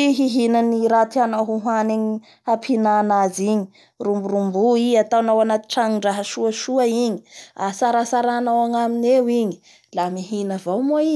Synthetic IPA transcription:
ɦiɦinaniɾat̪ianaɦuɦwaneɲi | hapʰinanaziɲi̥ | rumbuɾumbuiat̪anawanat̪i̥ʈ͡ʂaŋiɳɖ͡ʐaɦəʃuəʃuəiɲi̥asaɾasaɾanawaŋaminewiɲi̥ | lamiɦinəvawmoi

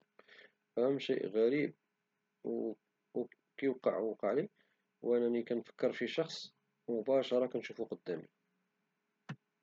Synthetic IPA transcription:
ʔæhəmːʃḭʔɣæɾib̚ | kæjwqːɑʕwqɑʕli | wʔænænikænfə̥kːəɾˤfiʃɑxsˤ | mʊbæʃɑɾˤɑkænʃufuqod̪ːæmḭ

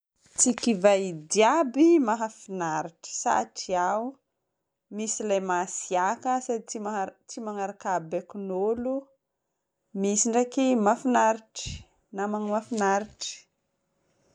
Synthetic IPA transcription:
t͡sikivajd̪iabimaɦafinaɾiʈ͡ʂə̥sa̰ʈ͡ʂiau | misilajmasiakəsat͡sit͡simaŋaɾakabekunolu | misiɳɖ͡ʐakimafinaɾiʈ͡ʂi̥ | namaŋmafinaɾiʈ͡ʂi̥

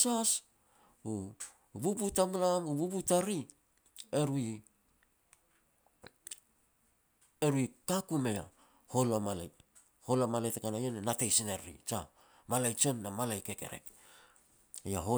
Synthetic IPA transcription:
sas | u | bubutamlamuβubutaɾi | e̞ɾui | eɾuikakumea̰ | ho̞lamalaj | ho̞lamaletakanajanenatejsineɾḭt͡ʃa̰ | malajt͡ʃonːamalajke̞ke̞̰ɾḛk | jaɦo

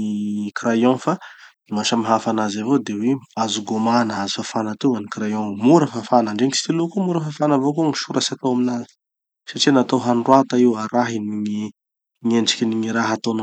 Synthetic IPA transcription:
ikiɾajõfa | imaʃamiɦafanazavod̪eweazuɡomanəazifafanat̪uwanikɾajõmuɾəfafanaɳɖ͡ʐeŋisi̥t̪ilukumuɾəfafanavokuŋiʃuɾasat̪owaminazi̥ | saʈ͡ʂinat̪oɦanɖ͡ʐwat̪aiwaɾaɦiniŋi | ŋeɳɖ͡ʐi̥kʲiniŋiɾaɦat̪on

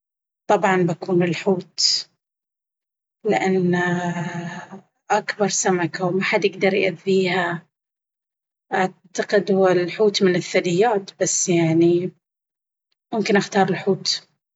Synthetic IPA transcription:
t̪ˤɑbʕɑnbakuːnɪlħuːt̪ | lɪʔanː | ʔakbɑɾˤsamakawmaħad̪jɪɡd̪ɑɾˤjʔaðːiːha | ʔaʕt̪aqɪd̪wɪlħuːt̪mɪnɪθːad̪ɪjːaːt̪b̥asːjaʕni | mʊmkɪnʔaxt̪ɑːɾˤɪlħuːt̪

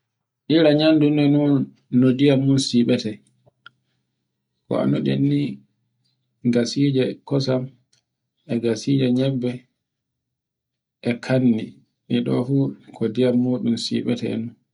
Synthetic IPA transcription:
ʔilaɲandunɛnunː | ɔdijamːunsiɓɛtɛ | kɔ̰a̰nuɗḛnːi | ɡasiːd͡ʒɛkɔsam | ɛɡasid͡ʒɛɲɛbːɛ | ʔɛkʰanːi | miɗɔ̰fukʰɔdijamːoːɗumsḭɓɛtɛɛ̰nun

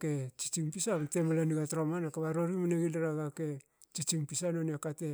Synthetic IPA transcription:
ket͡ʃi̥t͡ʃimpisatemalaniɡatɾomanakaβaɾoɾimaneɡinaɾaɡake̞ | t͡ʃit͡ʃiŋpisanoneakate

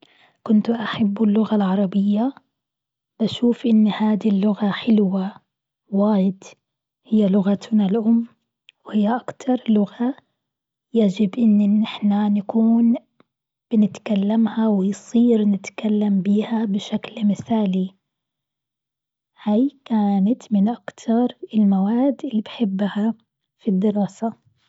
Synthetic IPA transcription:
kʊnt̪ʔaħabːɪlːʊɣalʕɑɾˤɑbɪjːa | b̥aʃuːfʔɪnːhaːd̪ilːʊɣaħɪlwa | waːjɪd̪ | hɪjːalʊɣat̪nalʔʊmː | whɪjːaʔakt̪ʰɑɾˤlʊɣa | jaːd͡ʒɪbʔɪnːnɪħnanakuːn | b̥ɪnɪt̪kalːamhawɪjsˤiːɾnɪt̪kalːambiːhabɪʃaklmɪθaːli | hajkaːnat̪mɪnʔakt̪ʰɑɾˤɪlmawaːd̪ɪlːibħɪbːha | fid̪ːɪɾɑːsa

